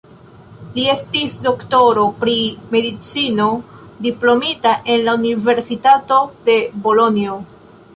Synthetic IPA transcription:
lie̞stisdo̞kto̞ɾo̞pɾime̞dit͡sino̞ | diplo̞mitaʔe̞nlaunive̞ɾsitato̞de̞bo̞lo̞nio̞

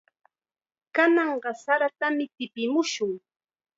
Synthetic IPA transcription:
kanɑɴɢɑsaɾat̪amɪt̪ɪpɪmʊʃʊŋ

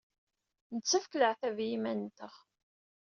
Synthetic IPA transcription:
nət͡sːəfkləʕθævjimænt̪əʁ

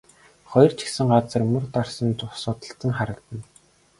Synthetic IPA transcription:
χɔj̆rt͡ɕʰi̥sɘ̆ŋɢat͡sə̆rmɵ̆rt̪arsə̆nt͡ɕʊsʊːt̪ə̆ɬt͡sə̆ŋχaɾə̆kt̪ə̆n

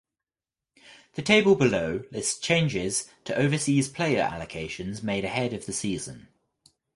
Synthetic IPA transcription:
ðətʰeɪbəlˠbɪləʊlɪst͡ʃʰẽɪ̃nd͡ʒɪz̥tʰəʔəʊvəsiːz̥pʰl̥eɪəɹa̰ləkʰeɪʃə̃nzmeɪɾəhɛdəvðəsiːz̥ə̰̃n

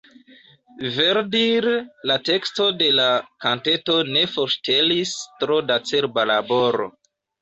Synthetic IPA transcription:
veɾdiɾlate̞ksto̞de̞lakante̞to̞ne̞foɾʃte̞listɾo̞dat͡se̞ɾbalabo̞ɾo̰

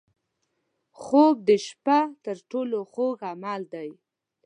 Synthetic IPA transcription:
xob̚d̪əʃpat̪əɾʈoloxoɡamald̪aj

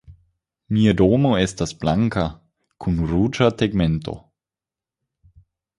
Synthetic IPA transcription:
miːədoːmoɛstasb̥laŋka | kʰunruːt͡ʃatɛɡmɛntʰo̰

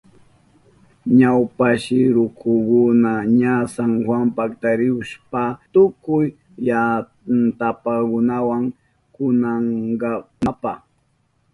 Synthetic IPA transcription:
ɲawpaʃɪɾʊkʰʊkʊnaɲasaŋhwampakt̪aɾɪʊʃpat̪ʊkʊj | ja | nt̪apakʊnawaŋ | kʊnaŋɢɑmapa

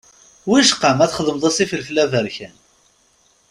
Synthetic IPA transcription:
wiʃqəmæθχəðəməðˤɑsifəlflævəɾçæn

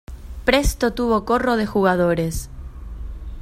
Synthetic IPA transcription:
pɾest̪ot̪uβ̞o̞koroð̞e̞xuɣ̞að̞oɾes

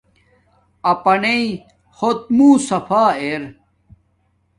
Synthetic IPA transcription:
ɐpɐnei | hot̪̚muːsɐfaːeɾ

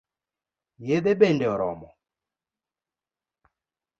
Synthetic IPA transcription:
jeðebendeɔɾɔ̰mɔ

